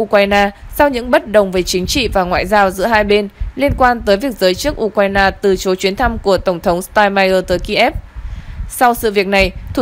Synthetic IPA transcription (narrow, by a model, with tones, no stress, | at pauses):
ʔu˧kwaː˧jnaː˧sa˧wɲɨ̰˧˥ŋɓə˦˥t̚ɗə˨˩wŋ͡mve˨˦t͡ɕï˨˦ŋ̟t͡ɕḭ˧˨vaː˨˩ŋwa̰ː˧˨jzaː˧wzɨ̰˧˥əɦaː˧jɓe˧nli˧ənkwaː˧nt̪əː˨˦jvi˨˩ək̚zəː˨˦jt͡ɕɨ˦˥ək̚ʔu˧kwaː˧jnaː˧t̪ɨ˨˩t͡ɕo˨˦t͡ɕwi˨˦ənt̪ʰa˧mku˧˩ət̪ə˧˩wŋ͡mt̪ʰə˨˦wŋ͡mst̪aː˧jmaː˧jʔəː˧t̪əː˨˦jki˧ʔɛ˦˥p̚ | sa˧wsɨ̰˧˨vi˨˩ək̚na˨˩jt̪ʰ